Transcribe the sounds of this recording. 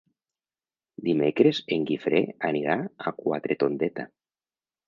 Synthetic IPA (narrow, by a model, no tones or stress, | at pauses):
d̪imekɾezeŋɡifɾeaniɾaakwa̰t̪ɾet̪ond̪et̪a